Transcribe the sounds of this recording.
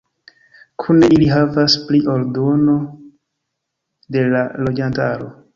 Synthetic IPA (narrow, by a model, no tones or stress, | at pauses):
kʰuneʔiliɦavaspliʔo̞ɾdo̞no̞ | de̞lalo̞d͡ʒantaɾo̞